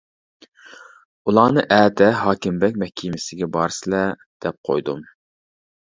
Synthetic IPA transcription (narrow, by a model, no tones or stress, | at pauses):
ulˠɑːnɨ̰ʔæːd̪ɛɦɑːkʲɪmbɛk̚ʲmɛhkʲʰiːmɪsɪɡʲɛbɑɾɨsɨlɛ | d̪̥ɛp̚qʰo̰jd̪um